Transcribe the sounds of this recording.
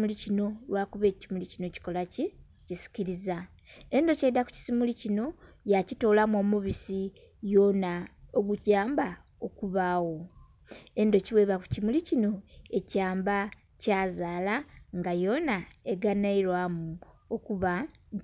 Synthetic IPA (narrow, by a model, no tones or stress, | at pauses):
mulicino̞lwaːkuβe̞ːcimulicino̞ci̥ko̞laci | cisi̥ciɾiza | e̞ndo̞ceidaku̥ci̥simulicino̞ | jacito̞ːlamomuβisi | jo̞naoɡuɟaːmba | okuβawo̞ | e̞ndo̞ciwe̞ːβaku̥cimulicino̞e̞caːmba | caːzaːlaŋɡajo̞naeɡanaiɾwamuokuβa